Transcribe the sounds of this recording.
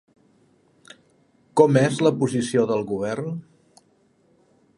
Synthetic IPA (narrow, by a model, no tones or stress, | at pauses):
kɔmezləpuzisioðəlˠɣuβ̞ɛrn